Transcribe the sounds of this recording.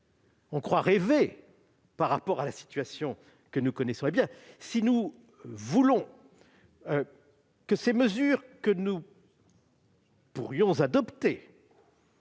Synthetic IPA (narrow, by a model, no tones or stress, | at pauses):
ɔ̃kχwaʁeve | paʁːapɔʁalasi̥t̪ɥasjɔ̃ | kənukɔnɛsɔ̃ebjɛ̃sinu | vulɔ̃ | ø | kəseməzyːʁkənu | puʁjɔ̃zad̪ɔpt̪e